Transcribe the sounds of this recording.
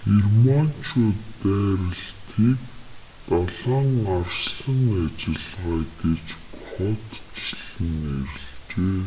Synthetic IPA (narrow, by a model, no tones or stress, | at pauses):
xirman̥t͡ɕʰoːt̪ːæːɾə̆ɮt̪ʰiːk | t̪aɮaːŋarsɮə̆ŋat͡ɕɪ̆ɮʁaːɡet͡ɕkχɔt̪t͡ɕiɮɘ̆ŋeɾɪ̆ɮt͡ɕeː